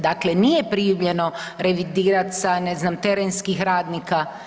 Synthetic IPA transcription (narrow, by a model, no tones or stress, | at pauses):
d̪akle̞nijepɾijuʋʎe̞no̞ɾe̞ʋid̪iːɾat̪saneznamt̪eɾenskixɾaːd̪nika